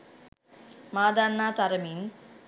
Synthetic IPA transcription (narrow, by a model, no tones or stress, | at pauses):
maːd̪aːnːaːt̪ɐɾɐmiːn